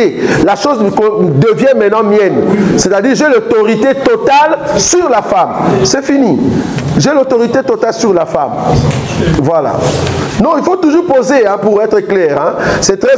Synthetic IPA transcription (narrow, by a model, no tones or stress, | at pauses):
elaʃozkɔ̃d̪əvjɛ̃mɛ̃nɑ̃mjɛnsɛt̪ad̪iʁʒɛlot̪ɔʁit̪et̪ɔt̪alsyʁlafamsɛfiniʒɛlot̪ɔʁit̪et̪ɔt̪alsyʁlafa̰m | vwala̰nɔ̃ilfot̪uʒuʁpozeɛ̃puʁɛt̪χəklɛːʁɛ̃sɛt̪χɛ